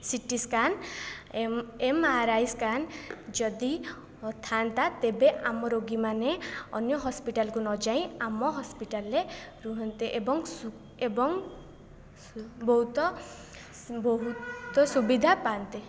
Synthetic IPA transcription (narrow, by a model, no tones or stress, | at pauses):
siʈiskan | emaɾajskand͡ʒɔd̪i | t̪ʰant̪at̪ebeʔamɔɾoɡimaneɔ̰njɔɦɔspiʈalkunɔd͡ʒaĩamɔɦɔspiʈalːeɾuɦɔnt̪eʔebɔŋsu | ebɔŋ | bɔɦut̪ɔ | bɔɦut̪ɔsubid̪ʱapant̪e